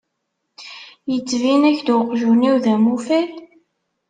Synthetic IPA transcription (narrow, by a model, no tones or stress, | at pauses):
jət͡sːvinæçd̪wəqʒuniwðæmufæl